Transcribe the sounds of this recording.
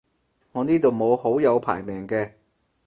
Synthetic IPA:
ŋɔː˨˧niː˥t̪o˨wmo˨˧who˨˥wjɐ˨˧wpʰa̰ː˨˩jmɛː˨˩ŋkɛː˧

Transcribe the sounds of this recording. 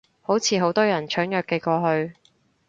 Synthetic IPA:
ho˨˥wt͡sʰiː˨˧ɦo˨˥wt̪ɔː˥jɐ˨˩nt͡ʃʰœː˨˥ŋjœː˨kːe˧kɔː˧ɦɵ˧ɥ

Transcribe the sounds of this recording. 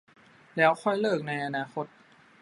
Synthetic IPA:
lɛː˦˥wxʰɔ˥˩jlɤː˥˩k̚na˧jʔa˧naː˧xʰo˦˥t̪̚

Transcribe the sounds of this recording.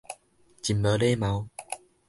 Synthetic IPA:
t͡ɕi˨˩mbə˨˦le˦mã˨˧˦w

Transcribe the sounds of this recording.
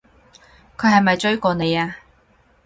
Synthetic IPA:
kʰɵ˨˧ɥhɐ˨jmɐ˨jt͡ʃɵ˥ɥkɔː˨˧ne˨˧jaː˧

